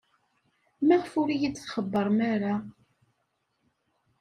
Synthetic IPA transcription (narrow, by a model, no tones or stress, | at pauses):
mæʁəfʊɾijit͡sːθχəbːəɾˤmaɾa